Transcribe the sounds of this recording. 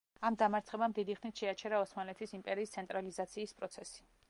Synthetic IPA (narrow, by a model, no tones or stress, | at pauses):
amd̪amaɾt̪sʰχɛbamd̪id̪iχnit̪ʃɛat͡ʃʰɛɾaɔsmanlɛt̪ʰisimpʼɛɾiːst̪sʰɛnt̪ʼɾalizat̪sʰiːspʼɾɔt̪sʰɛsi̥